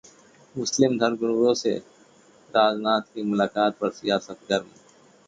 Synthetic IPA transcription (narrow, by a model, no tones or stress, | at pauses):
mʊslimd̪ʱɐɾɡʊnʋɾoːsḛ | ɾaːd͡znaːt̪kiːmulaːkaːt̪̚pɐɾsijaːsət̪ɡɐɾm